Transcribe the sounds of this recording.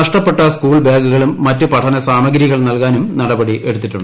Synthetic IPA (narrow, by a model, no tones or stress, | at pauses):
ɐʂʈɐpːe̞ʈːɐskuːɭbeːɡuɣɐɭumːɐtːɨpɐʈʰɐnɐsaːmɐɡɾiɣɐɭnɐlkaːnumnɐɽɐbɐɽiʔe̞̰ɽut̪ːiʈːuɳɖ